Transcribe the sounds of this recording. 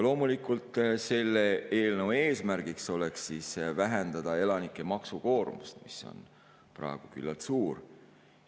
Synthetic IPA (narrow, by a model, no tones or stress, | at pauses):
lo̞ːmulikult̪ˑse̞lːeeːlnəwe̞ːsmæɾɡ̥ikso̞le̞ksːiːsvæɦend̪̥ɑd̪̥ɑe̞lɑnikːˑe̞mɑksuko̞ːɾmust̪miso̞̰n | prɑ̰eɡ̥uky̰lːɑ̰lt̪suːr